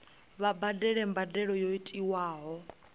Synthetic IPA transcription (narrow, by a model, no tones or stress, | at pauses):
βabadɛɺɛmbadɛɺɔjoitʼiwaːɦɔ